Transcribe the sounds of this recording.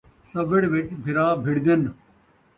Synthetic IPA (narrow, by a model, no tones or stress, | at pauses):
sɐʋəɽʋɪt͡ʃbʱɪɾaːbʱɪɽd̪ən